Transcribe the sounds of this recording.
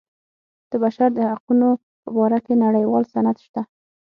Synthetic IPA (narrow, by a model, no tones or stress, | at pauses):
d̪̥əbaʃaɾd̪əhaquno | pəbɑɾakenaɽəjwɑlsanad̪ʃt̪a